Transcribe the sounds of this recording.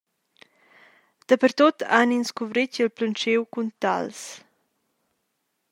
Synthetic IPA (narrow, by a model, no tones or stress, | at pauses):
d̪̥əpəɾt̪ot̪ʰaninskuvɾicilplənt͡ʃewkunt̪a̰ls